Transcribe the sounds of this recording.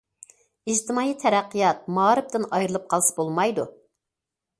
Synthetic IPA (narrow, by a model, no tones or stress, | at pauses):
id͡ʒt̪ʰɪmɑːit̪ʰɛɾæqːɨjɑt̪̚mɑːɾɨp̚t̪ɨnɑjɾɨlˠɨp̚qʰɑlˠsɑ̥bolˠmɑjd̪u